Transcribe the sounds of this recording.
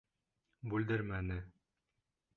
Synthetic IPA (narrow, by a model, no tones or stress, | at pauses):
bʉld̪ɘɾmænɘ